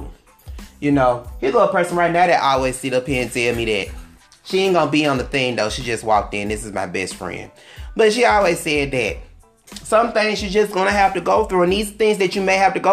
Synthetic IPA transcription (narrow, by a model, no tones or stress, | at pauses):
jɨnoʊhiɡoəpʰɜ˞sə̃n̩ɹaɪt̚ⁿnaʊðɨɪʔɔlˠwiz̥siɾopʰæ̃ntʰɛlˠmiðɨ̰t̚ | ʃiɪnɡʌ̃nəbiə̃nðɨθɪ̃ŋðoʊʃid͡ʒʌst̚wɔ̰k̚tɪ̃nðɪsɨzmaɪbɛ̰stfɹɛ̰̃nd̥b̥ʌtʃiɔlˠwiz̥sɛd̪̚ðɨt̚ | sʌ̃mθãɪ̃ŋz̥ʃizd͡ʒʌsɡ̥ʌnɨɦæftɨɡoʊθɹuɨ̃nðizθɪ̃ŋzðɨt͡ʃɨmeɪhæftɨɡo